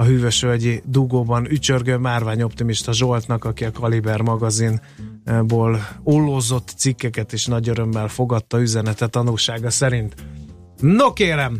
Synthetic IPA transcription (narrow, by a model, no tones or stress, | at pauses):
ɒɦyːvøʃøɟid̪uɡoːbɒnyt͡ʃørɡømaːrvaːɲo̞pt̪imiʃt̪ɒʒo̞lt̪nɒkɒkiɒkɒlibɛrmɒɡɒzin | boːlolːoːzo̞t̪ːsikːɛkɛt̪eːʃnɒɟøɾø̞mːɛlfo̞ɡɒt̪ːɒyzɛnɛt̪ɛt̪ɒnulʃaːɡɒsɛɾint̪ | nokeːɾɛm